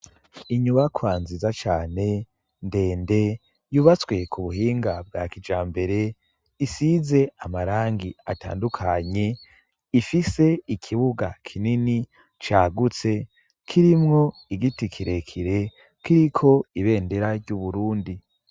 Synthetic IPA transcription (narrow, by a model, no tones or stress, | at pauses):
iɲuβakʰwaːnzizat͡ʃaːne̞ | nde̞ːnde̞ | juβat͡swe̞kʰuβuɦiːŋɡab̚ɡaːkid͡ʒaːmbe̞ɾe̞ | isize̞amaɾaːŋɡia̰ta̰ːndukʰaɲe̞ | ifise̞ikʰiβuɡa̰kʰinini | t͡ʃaːɡut͡se̞ | kʰiɾimŋo̞ | iɡitikʰiɾe̞kʰiɾe̞ | kiɾikʰo̞iβe̞ːnde̞ɾaɾɟuβuɾuːndi